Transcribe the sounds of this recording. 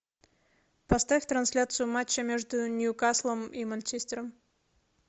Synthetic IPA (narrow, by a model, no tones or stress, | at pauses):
pɐst̪afʲt̪ɾɐnsʲlʲat̪sɨjʊmat͡ɕːəmʲeʐd̪ʊnʲjukaslˠəmimant͡ɕesʲt̪ʲɪɾəm